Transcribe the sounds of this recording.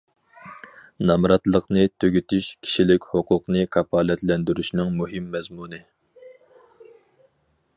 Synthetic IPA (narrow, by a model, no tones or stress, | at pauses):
nɑmɾɑt̪lˠəqnɨt̪ʰøɡʲyt̪ʰyʃkʲʰi̥ʃilɪkʲhoqʰʊqnɨkʰɑpʰɑːlɛt̪lɛnd̪yɾyʃnɪŋmuɦɨmːɛzmunɨ